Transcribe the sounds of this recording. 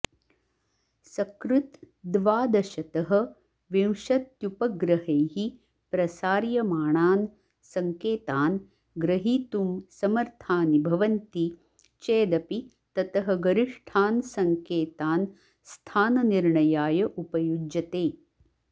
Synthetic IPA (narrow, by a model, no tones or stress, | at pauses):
sɐkɾut̪ | d̪ʋaːd̪ɐʃɐt̪ɐɦɐ̆ | ʋiwʃɐt̪jupɐɡɾɐɦeːɦi | pɾɐsaːɾjɐmaːɳaːn | sɐŋkeːt̪aːn | ɡɾɐɦiːt̪umsɐmɐɾt̪ʰaːnibʱɐʋɐnt̪i | t͡ʃeːd̪ɐpi | t̪ɐt̪ɐɦɐ̆ɡɐɾiʂʈʰaːnsɐŋkeːt̪aːn | st̪ʰaːnɐniɾɳɐjaːjɐʔupɐjud͡ʒɐt̪eː